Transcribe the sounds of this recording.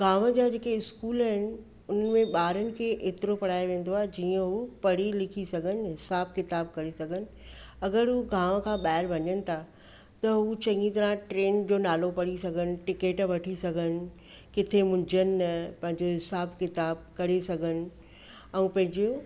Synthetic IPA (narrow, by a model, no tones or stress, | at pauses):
ɡʱaːʋəd͡ʑaːd͡ʑeːkeɪskuːlaːɦɪnɪ̆ | ʊn̤ənɪ̆mẽɓaːɾənɪ̆kʰeːʔeːt̪ɪɾopɐɽ̤aːeʋẽːn̆d̪oaːɦed͡ʑiːə̃ɦupɐɽ̤ilɪkʰisɐɡʱənɪ̆ɦɪsaːbkɪt̪aːb̚kɐɾesɐɡʱənɪ̆ | ɐɡəɾɦuɡʱaːʋə̆kʰãːɓaːɪɾbɐɲənɪ̆t̪ʰa | t̪ɐɦut͡ɕɐ̃ŋɡĩt̪ɐɾãʈɾeːnd͡ʑoːnaːlopɐɽisɐɡʱənɪ̆ʈɪkeːʈʋɐʈʰisɐɡʱənɪ̆ | kɪt̪ʰemʊ̃nd͡ʑʱənɪ̆ɐpɐ̃ɦɪ̃ɲd͡ʑoɦɪsaːbkɪt̪aːb̚kɐɾesɐɡʱənɪ̆ | ɛ̃ũpɐ̃ɦɪ̃ɲd͡ʑo